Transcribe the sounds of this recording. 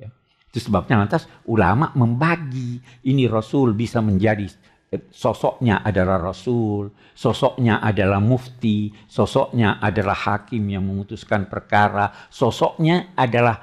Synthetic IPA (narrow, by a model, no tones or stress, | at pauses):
ja | t̪usəbap̚ɲalant̪asula̰maʔməmbaɡiinirɔsʊlbisaməɲd͡ʒadi | sɔsɔʔɲaʔadalahrɔsul | sɔsɔʔɲaʔadalahmuft̪isɔsɔʔɲaʔadalahhakɪmjaŋməmut̪uskanpərkaɾasɔsɔʔɲaadalah